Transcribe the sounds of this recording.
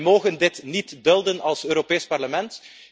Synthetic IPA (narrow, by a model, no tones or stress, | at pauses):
moːɣəndɪtnitdɵlˠdənɑlˠsøːɾopeːspɑrləmɛnt